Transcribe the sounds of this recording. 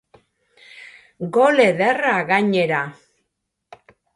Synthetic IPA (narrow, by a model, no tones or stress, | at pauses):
ɡo̞leðeraɣaɲe̞ɾa